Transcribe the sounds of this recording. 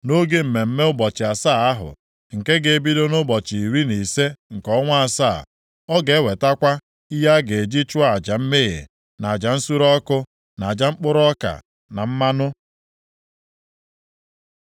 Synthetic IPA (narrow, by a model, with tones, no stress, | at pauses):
no˦ɡe˦m̩˨me˨m̩˦me˦ʊ˦bɔ˨t͡ʃɪ˨a˨saː˦˨a˦ɦʊ̰˨ | ŋ̩˨ke˦ɡe˨e˦bi˦do˦nʊ˦bɔ˨t͡ʃi˨i˨ɾi˦ni˨se˦ŋ̩˨kɔ˨˦ŋʷa˦a˨sa˦˨ | ɔ˦ɡe˨˦we˨ta˦kʷa˦ | i˦ja˦ɡe˨e˨d͡ʒi˦t͡ʃʊ˦a˨d͡ʒa˨m̩˦me˦jḛ˨ | na˨a˨d͡ʒa˨n̩˦su˦ɾɔ˦kʊ˦ | na˨a˨d͡ʒa˨ŋ͡m̩˦k͡pʊ˦ɾɔ˦ka̰˨ | na˨m̩˦ma˦nʊ˦